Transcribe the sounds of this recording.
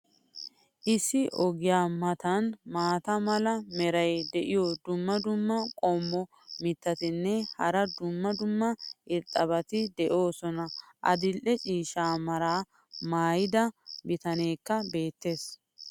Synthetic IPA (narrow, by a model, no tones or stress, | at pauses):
ʔɪsːɪʔɔɡɪjaːmɐt̪ɐnmaːt̪ɐmɐlɐmɛɾɐjd̪ɛʔɪjɔd̪ʊmːɐd̪ʊmːɐkʼomːɔ | mɪt̪ːɐt̪ɪnːɛhɐɾɐd̪ʊmːɐd̪ʊmːɐʔɪɾt̪ʼːɐbɐt̪ɪd̪ɛʔo̞ːsɔnɐʔɐ̰d̪ɪlʔɛt͡ʃʼiːʃaːmɐɾaː | maːjɪd̪ɐbɪt̪ɐne̞ːkːɐbe̞ːt̪ːe̞ːs